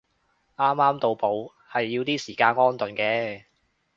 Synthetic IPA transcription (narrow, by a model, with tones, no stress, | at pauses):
ʔaː˥mːaː˥mt̪o˧wpo˨˧w | hɐ˨jːiː˧wt̪iː˥siː˨˩kaː˧nŋɔː˥nt̪ɵ˨˩nkɛː˧